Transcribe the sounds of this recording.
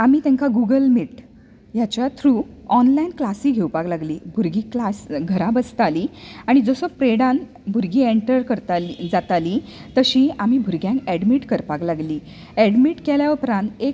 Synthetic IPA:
amiːt̪ẽŋkaɡuɡəlmiʈ | jat͡ɕjat̪ʰɾuːɔnlainklasiːɡʱewpaklaɡliːbʱuɾɡiːklasɡʱəɾãbəst̪aliːaɽ̃id͡zɔsopɾeɽãn | bʱuɾɡiːeɳʈəɾkəɾt̪aid͡zat̪aliː | t̪əɕĩːamiːbʱuɾɡjãŋkæɽmiʈkəɾpaklaɡliː | æɽmiʈkeljaupɾãnt̪ek

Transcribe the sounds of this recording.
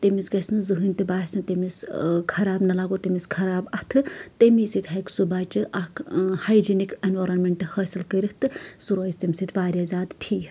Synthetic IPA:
t̪emisɡɐsnɨzɨɦɨnʲt̪ɨbaːsint̪emiskʰɐɾaːbnɐlaːɡot̪emiskʰɐɾaːbɐt̪ʰɨt̪emisit̪ʰʲɦɐjksubaːt͡ʃɨʔɐkʰhajd͡ʒinikenʋɐɾɐnmeɳʈɨhɐːsilkəɾiht̪ɨsuɾoːist̪ɐmʲsit̪ʰʋaːɾʲjazʲaːd̪ʈʰiː

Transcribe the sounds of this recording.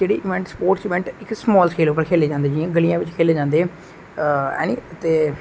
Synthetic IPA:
d͡ʒeːɽḭːʔɪʋɛ̃ɳʈspoːɾʈt͡ʃʋɛ̃ːɳʈɪksmɔːlskʰeːloːp̬ːəɾkʰeːleːd͡ʒãːnd̪eːd͡ʒiãːɡəlijãːʋɪt͡ʃkʰeːleːd͡ʒãːnd̪eː | ɛ̰ːniːət̪eː

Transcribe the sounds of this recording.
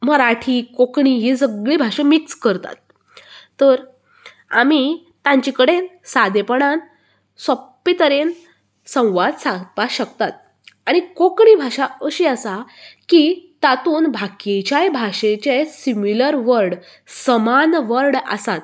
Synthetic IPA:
məɾaʈʰikokɳiɦid͡zəɡɭiːbʱaʂemikskəɾt̪a̰t̪̚ː | əɾ | ami | t̪ãɲt͡ɕikəɽensad̪ʱepəɳ̃an | səpːit̪əɾen | sə̃w̃ʋad̪sãpaɕək̚t̪at̪̚ | aɽ̃ikokɳibʱaɕaəɕiːəsakit̪at̪uːnbʱaket͡ɕjajbʱaɕet͡ɕesimiləɾʋəɾɽ | səmanʋəɾɽa̰sat̪̚

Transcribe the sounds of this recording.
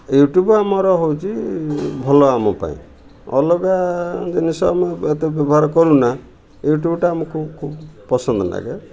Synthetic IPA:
juʈjubamɔɾɔɦowt͡ʃʰibʱɔlɔamɔpa̰ḭ̃ | ɔ̰lɔɡad͡ʒinisɔːmeet̪ebjɔbɔɦaɾɔkɔɾũna | juʈjubʈaamɔkʰubkʰubpɔsɔnd̪ɔna̰ɡe

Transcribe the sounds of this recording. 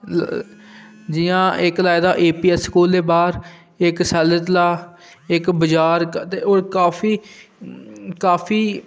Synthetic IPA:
d͡ʒɪjãːɪklaːjd̪aːʔeːpiːɛsːkuːld̪eːbaːɾ | ɪksɛːlət̪laː | ɪkbəd͡ʒaːɾt̪eːoːɾkaːpʰiː | kaːpʰiː

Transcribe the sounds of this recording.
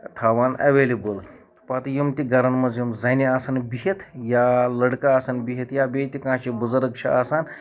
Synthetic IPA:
t̪ʰaːʋaːnɐ̰ʋeːlibəl | pat̪jumt̪iɡɐɾɐnmɐzjumzɐniaːsanbiɦit̪ʰjaːlɐɽkaːsanbiɦet̪jaːbeːt̪ʲikãːʃibuzuɾɐkt͡ʃʰɐaːsaːn

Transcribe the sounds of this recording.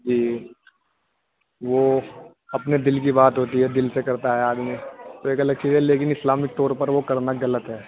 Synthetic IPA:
d͡ʒiː | ʋo | ɐpned̪ɪlkibaːt̪ɦoːt̪iɦɛd̪ɪlsekɐɾt̪aɦɛaːd̪mẽt̪oeːkɐləɡ̚t͡ʃiːzɦɛleːk̬ɪnɪslaːmɪk̚t̪oːɾpɐɾʋokɐɾnaɡɐlət̪ɦɛː

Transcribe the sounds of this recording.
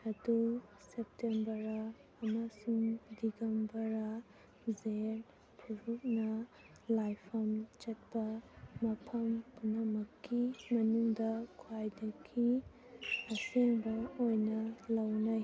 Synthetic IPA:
ɐdu | sep̚tembɐɾɐː | masuŋdiɡɐmbɐɾɐ | zeɾ | pʰuɾuk̚nɐ | lajpʰɐmt͡ʃɐt̚pɐmɐpʰɐmpunɐmɐkːimɐnuŋdɐkʰwajdɐkʰi | ɐseŋbɐojnɐlɐwnaj

